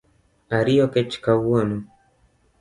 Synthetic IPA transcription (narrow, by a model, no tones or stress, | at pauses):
aɾiɔkɛt͡ʃkawɔnu